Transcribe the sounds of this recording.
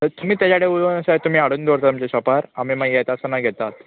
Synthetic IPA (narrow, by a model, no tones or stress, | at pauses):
əɾt̪um̤iːt̪jat͡ɕaɽeulənəɕajt̪um̤iːaɽuːnd̪oɾt̪at̪umt͡ɕeɕɔpaɾamimaɡjet̪asənaɡʱɛt̪at̪